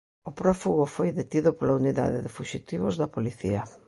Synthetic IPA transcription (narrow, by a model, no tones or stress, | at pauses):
ʊpɾɔfuɣʊfojðet̪iðʊpolauniða̰ðɪðɪfuʃit̪iβʊzðɐpoliθḭɐ